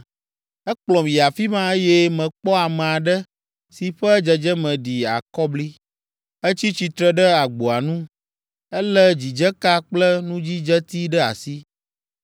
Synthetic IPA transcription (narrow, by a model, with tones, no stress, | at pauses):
ɛ˦k͡plɔ̃˨mĩ˨a˨fi˦mã˦e˦jɛ˦mɛ̃˨k͡pɔ˦a˨mɛ̃˨a˨ɖɛ˦ | si˨ɸɛ˦d͡ʒɛ˨d͡ʒɛ˦mɛ̃˨ɖi˨a̰˨kɔ˦bli˦ | ɛ˦t͡ɕi˦t͡ɕi˨t̪ɾɛ˦ɖɛ˦a˨ɡ͡bo˨a˨nũ˦ | ɛ˦lɛ˦d͡ʑi˨d͡ʒɛ˦ka˦k͡plɛ˦nũ˦d͡ʑi˦d͡ʒɛ˦t̪i˦ɖɛ˦a̰˨si˦